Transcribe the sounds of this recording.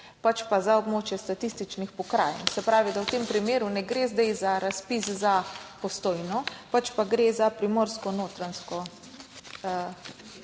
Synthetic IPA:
pat͡ʃpazaɔbmoːt͡ʃjɛst̪at̪ist̪it͡ʃnixpɔkɾa̰ːjɛ̰nsɛpɾaːʋid̪awt̪eːmpɾimeːɾunɛɡɾezd̪ɛjzaɾaspiszapɔst̪oːjnɔpat͡ʃpaɡɾezapɾimoːɾskɔnoːt̪ɾanskɔ

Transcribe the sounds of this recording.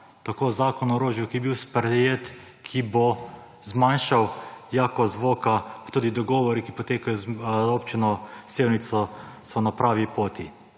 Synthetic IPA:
t̪akoːzaːkɔnɔɾoːʒjukibiwspɾɛjeːt̪ | kʰibo | zmanʃawjaːkɔzʋoːkapt̪uːd̪id̪ɔɡɔːʋɔɾikipɔt̪eːkajɔzoːpt͡ʃinɔseːwnit̪sɔ | sɔnapɾaːʋipoːt̪i

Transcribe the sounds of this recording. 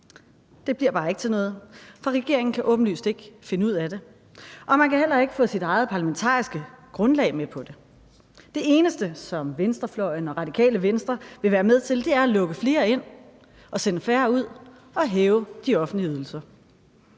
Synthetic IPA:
d̥e̝b̥liɐ̰b̥ɑ̈ːe̝ɡ̥t͡sʰe̝lnɔ̽ːð̞̩ˠfɒ̽ʁɛɡ̥e̝ɐ̰eŋn̩kʰæʔɔ̽ːb̥n̩ly̰ːsd̥e̝ɡ̥əfe̝nəuð̞̰ˠæd̥e̝ | ʔɒ̽mænkʰæhel̰ɐe̝ɡ̥əfɔ̰̽ːsid̥ɑ̈ɪð̞̩ˠpʰɑlæment͡sʰɑ̰̈ːisɡ̥əɡ̥ʁɔ̽nlɛ̰ɪmepʰɒ̽d̥e̝ | d̥e̝e̝ːnəsd̥əsɒ̽mʋensd̥ɐflɒɪnɒ̽ʁɑ̈d̥ikʰɛ̰ːləʋensd̥ʁɐʋe̝ʋæːɐmeð̞ˠt͡sʰe̝ld̥e̝æɐælɔ̽ɡ̥əfle̝ːɐe̝n̰ | ɒ̽senəfæːɐuð̞̰ˠ | ɒ̽ɦɛːʊd̥iɒ̽fn̩dliyð̞ˠl̩sɐ

